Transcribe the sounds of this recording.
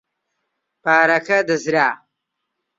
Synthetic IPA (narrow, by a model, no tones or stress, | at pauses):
paːɾɐkɐd̪ɐzɾaː